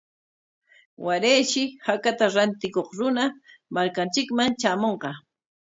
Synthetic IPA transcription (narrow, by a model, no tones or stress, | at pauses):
waɾejʃɪhakat̪aɾant̪ɪkoχɾʊnamaɾkant͡ʃɪkmaŋt͡ʃaːmoɴqɑ